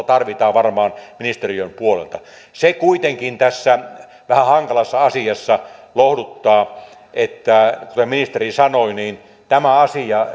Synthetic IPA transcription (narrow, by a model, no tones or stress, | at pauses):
t̪ɑrʋit̪ɑːʋʋɑrmɑːnminist̪eriømpuolḛlt̪ɑ | sekuit̪eŋkint̪æsːæ | ʋæhæhɑŋkɑlɑsːɑɑsiɑsːɑlohdut̪ːɑː | ʔet̪ːækut̪eminist̪erisɑnoiniːn | t̪æmæɑsijɑ